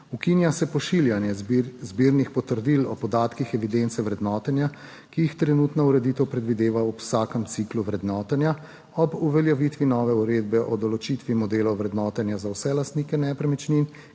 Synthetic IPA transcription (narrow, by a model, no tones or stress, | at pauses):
ukinjasɛpɔʃiljanjɛzbiːɾnixpɔt̪əɾd̪ilɔpɔd̪aːt̪kixɛʋid̪ent̪sɛʋɾɛd̪nɔːt̪ɛnja | kijixt̪ɾɛnuːt̪nɔuɾɛd̪it̪ɛwpɾɛd̪ʋid̪eːʋaɔpwsaːkəmt̪sikluʋɾɛd̪nɔːt̪ɛnja | ɔbuʋɛljaʋit̪ʋinɔːʋɛuɾeːd̪bɛʔɔd̪ɔlɔt͡ʃit̪ʋimɔd̪eːlɔwʋɾɛd̪nɔːt̪ɛnjazawsɛlast̪nikɛnɛpɾɛmɛt͡ʃnin